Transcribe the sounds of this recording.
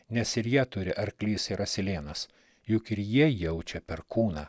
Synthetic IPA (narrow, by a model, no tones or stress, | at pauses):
nʲɛsɪɾjiɛt̪ʊɾʲɪʔɐɾklʲiːsɪɾɐsʲɪlʲeːnɐs | jʊkɪɾjiɛjɛʊt͡ʃʲɛpʲɛɾkuːnɐː